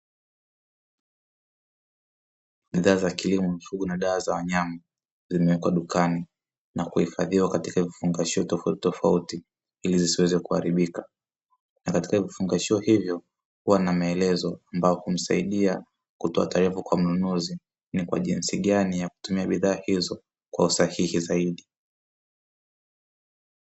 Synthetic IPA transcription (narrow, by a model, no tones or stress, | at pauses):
ɓiðaːzakilimɔmfuɠunaɗaːzawaɲama | zimɛwɛkwaɗukani | nakuhifaðiwakatikavifuŋɡaʃiɔtɔfautitɔfauti | hilizisiwɛzɛkuha̰ɾiɓika | nakati̥kavifuŋɡaʃiɔhivjɔ | huwanamaɛlɛzɔambajɔhum̩saiɗia | kutɔa̰taɾɛfukwam̩nunuzi | nikwa̰ʄinsiɠanijaku̥tumiaɓiðaːhizɔ | kwa̰usahihizaiɗi